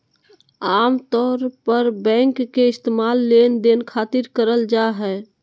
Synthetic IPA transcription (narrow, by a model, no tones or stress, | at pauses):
aːmt̪ɔːɾpəɾbɛ̃ŋkːeɪst̪emalːend̪enkʰat̪iɾkəɾəld͡ʒaɦɛ